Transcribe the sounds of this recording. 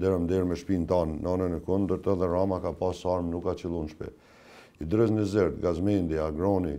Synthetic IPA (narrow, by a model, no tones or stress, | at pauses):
d̪ɛɾəmd̪ɛɾmɛʃpint̪anːɔnənəkund̪əɾt̪ɔðɛɾamakapasaɾmnukːat͡ʃilˠunʃpɛ̰ | id̪ɾɛznəzɛɾd̪ɡazmɛnd̪iaɡɾɔni